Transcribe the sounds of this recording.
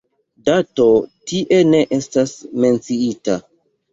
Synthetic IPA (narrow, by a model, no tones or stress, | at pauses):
dato̞tiʔe̞ne̞ʔe̞stasme̞nt͡siita